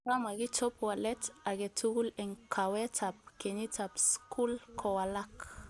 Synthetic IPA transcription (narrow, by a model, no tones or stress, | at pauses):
kamaɡit͡ʃɔpwalɛtaɡetuɡulɛŋkʰawetap̚kenit͡sapskʰulkʰowalak